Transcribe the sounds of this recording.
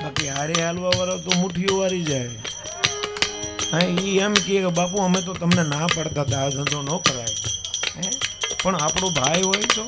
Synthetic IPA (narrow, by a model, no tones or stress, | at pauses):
bakiɦaɾealʋaʋaɾat̪omuʈʰijoʋaɾid͡ʒaj | aiɛmkiekebapuəmet̪̬ot̪əmnenapəɽt̪at̪ad͡ʒə̃d̪onokəɾajeepəɳapɽ̃obʱajɦojt͡ʃʰo